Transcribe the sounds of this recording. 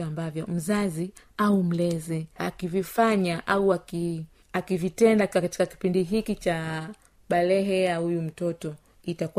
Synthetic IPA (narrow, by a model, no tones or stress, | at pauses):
ambavjɔm̩zazi | aum̩lɛzɛakivifaɲaʔauaki | akivitɛndakati̥kaki̥pindiɦikit͡ʃa | ɓalɛɦɛahujum̩tɔtɔ | itaku